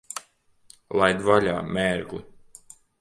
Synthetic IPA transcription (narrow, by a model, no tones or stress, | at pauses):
lˠajd̪valʲa̰ːmʲɛːɾɡlḭ